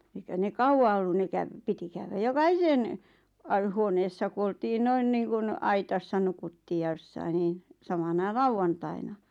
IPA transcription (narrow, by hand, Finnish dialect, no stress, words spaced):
eikæ ne kɑuw̆ɑ olːu ne kæʋ piti kæywæ jokɑhisen ɑ huoneːsːɑ ku oltiː noin niːŋkun ɑitɑsːɑ nukutːiː jɑ j̆osːɑin niːn̞ sɑmɑnɑ lɑuʋːɑntɑinɑ